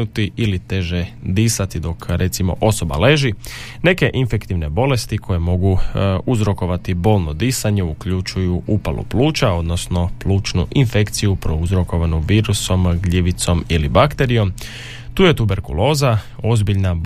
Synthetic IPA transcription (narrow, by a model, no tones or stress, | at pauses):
ut̪iʔilit̪e̞ʒed̪iːsat̪id̪o̞kɾʔe̞t̪simo̞̰ʔo̞so̞ba̰le̞ʒi | ne̞ke̞ʔinfe̞kt̪iʋne̞bo̞le̞st̪ikʰo̞je̞mo̞ɡuuzɾo̞ko̞ʋat̪ibo̞ːlˠno̞d̪iːsaɲe̞ukʎut͡ʃujuʔupalˠṵpluːt͡ʃao̞d̪no̞sno̞pluːt͡ʃnṵʔinfe̞kt̪sijupɾouzɾo̞ko̞ʋanuʋiːɾuso̞mɡʎiʋit̪so̞milibakt̪e̞ɾijo̞m | t̪uːje̞t̪ube̞ɾkṵlo̞ːza | o̞zbiʎna